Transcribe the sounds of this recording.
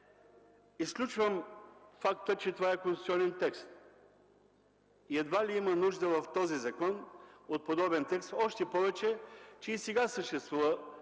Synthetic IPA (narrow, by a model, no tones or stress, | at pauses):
isklʲut͡ʃvəmfakt̪ət͡ʃɛt̪ovaɛkõnsu̥tsiɔnɛnt̪ɛkst̪ | iɛd̪valiimənuʒd̪əvɐft̪ɔzizɐkɔnot̪̚pod̪ɔbɛnt̪ɛkst̪ɔʃt̪ɛpɔvɛt͡ʃɛt͡ʃɛisɛɡasəʃt̪ɛst̪vuvə